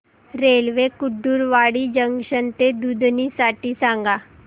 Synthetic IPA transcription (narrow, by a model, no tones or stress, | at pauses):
ɾelʋekuɖːuːɾʋaɽiːd͡ʑəŋɡɕənt̪ed̪ud̪ʱnisaʈiːsãŋɡa